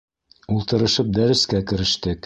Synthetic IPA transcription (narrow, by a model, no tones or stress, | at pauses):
ulˠt̪ɤ̆ɾɤ̆ʃɤp̚d̪æɾɘ̆skækɘ̆ɾɘ̆ʃt̪ɘk